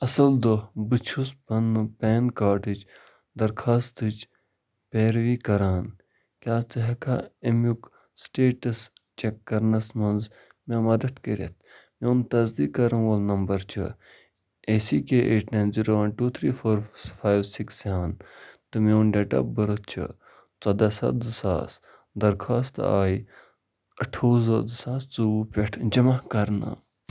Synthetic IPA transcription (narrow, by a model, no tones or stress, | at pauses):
ɐsɐld̪obɨt͡ʃʰuspɐnːupɛːnkaːɾʈid͡ʒ | d̪ɐɾkʰaːst̪ɨt͡ʃ | peːɾʋiːkɐɾaːn | kʲaːt͡sɐɦɐkʰaemjuk | sʈeːʈɐst͡ʃekːɐɾnɐsmɐnz | memɐd̪ɐt̪kɐɾḛt̪̚ʰmeunt̪ɐzd̪iːkɐɾɐʋɐlnɐmbɐɾt͡ʃʰɐ̰ | esiːkeʔeːʈʰnɐ̃nziɾoːʋɐnʈuːt̪ʰɾiːfʰoːɾfʰaːjʋsikseːʋɐnt̪ɨmeunɖeʈɐ̰p̚bəɾət̪̚ʰt͡ʃʰɨ̰ | t͡sɐd̪ɐsɐ̰d̪ɨsa̰ːs | d̪ɐɾkʰaːst̪aːi | ɐʈʰoːzɐd̪ɨsaːst͡suupʲeʈʰd͡ʒɐmakɐɾna̰